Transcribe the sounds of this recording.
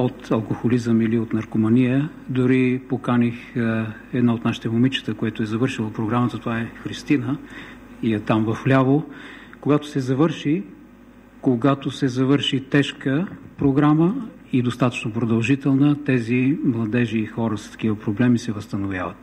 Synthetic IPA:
ot̪ɐlˠkoxolizəmiliot̪nɐɾkomɐnijə | d̪ʊɾipokanix | ɛd̪naot̪naʃi̥t̪ɛmomit͡ʃə̥t̪əkojɛt̪oɛzɐvɤɾʃilˠəpɾoɡɾamət̪ət̪ovaɛxɾist̪inə | iɐt̪amvɐflʲavokoɡat̪o̥sɛzɐvəɾʃi | koɡat̪osɛzɐvɤɾʃit̪ɛʃkəpɾoɡɾamə | id̪ost̪at̪ə̥t͡ʃnopɾod̪ɐlˠʒit̪ɛlˠnət̪ɛzimlˠɐd̪ɛʒiːxɔɾəsə̥t̪ɐ̥k̟ivəpɾoblɛmisɛvəst̪ɐnovʲja̰vət̪

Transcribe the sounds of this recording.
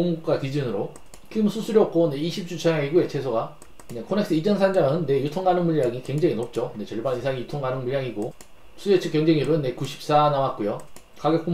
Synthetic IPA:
oŋuk̚k͈akid͡ʑɯnɯɾo | kʰimsʰusʰuɾjʌp̚k͈one̞iɕʰip̚t͡ɕ͈ut͡ɕʰʌɲaŋiɡoet͡ɕʰe̞sʰoɡa | nekʰone̞k̚s͈ɯid͡ʑʌnsʰand͡ʑaŋɯnːe̞jutʰoŋɡanɯnmuʎːaŋikweŋd͡ʑeŋinop̚t͡ɕ͈one̞t͡ɕʌɭbanisʰaŋijutʰoŋɡanɯnmuɭjaŋiɡo | sʰujet͡ɕʰɯkjeŋd͡ʑeŋibɯnːe̞kuɕʰi̥p̚s͈anawat̚k͈ojo | kaɡjʌk͈u

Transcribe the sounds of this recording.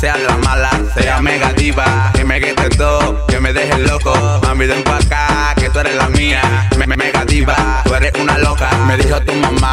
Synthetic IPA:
seaðelamala | seameɣat̪iβa | kemeɣet̪et̪o | kemeðeɦeloko | mambiðeŋkwaka | ket̪oeɾelamia | mememeɣat̪iβa | tweɾeʔunalokameðiɦot̪umãma

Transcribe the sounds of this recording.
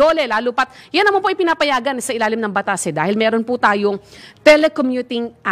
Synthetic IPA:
oːlɛlaːlupɐt̪̚jɐnːɐmɐnpoʔɐjpɪnaːpɐjaːɡɐnɪsɐʔɪlaːlɪmnɐŋbɐt̪aːsɛd̪aːhɪlmɛːɾonpʊt̪aːjoŋt̪ɛlɛkomjut̪ɪŋʔa

